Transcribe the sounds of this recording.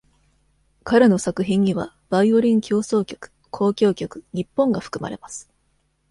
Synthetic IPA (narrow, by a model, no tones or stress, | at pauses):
kaɾeno̞sakɯ̟çĩɲ̟ːiβa̰ | b̥aio̞ɾʲĩŋkʲo̞ːso̞ːkʲo̞̥kɯ̥ | kʰo̞ːkʲo̞ːkʲo̞kɯ̟̥ɲ̟ipːõ̞ŋɡaɸɯ̥kɯ̟ma̰ɾe̞̰masɨ̥